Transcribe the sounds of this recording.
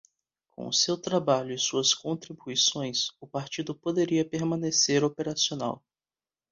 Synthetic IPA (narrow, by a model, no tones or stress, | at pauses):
kõ̰w̃ʊsewt̪ɾabaʎʊɪsuɐskõnt̪ɾibuisõj̃sʊpaɾt͡ʃid̪ʊpod̪eɾiɐpeɾmɐ̃neseɾopeɾasiona̰w